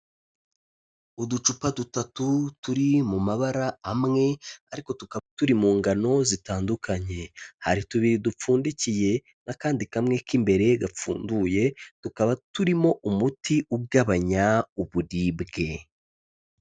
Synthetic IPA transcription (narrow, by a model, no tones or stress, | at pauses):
udut͡ʃupadutatutuɾimumaβaɾaːmŋe̞aɾiko̞tukaβatuɾimuːŋɡano̞zitaːndukʰaɲe̞haɾituβiɾidup͡fuːndicije̞ | nakaːndikamŋe̞kimbe̞ɾe̞ɡap͡fṵːnduje̞tukaβatuɾimo̞ʔumutʰiʔuɡaβaɲauβuɾibɡe̞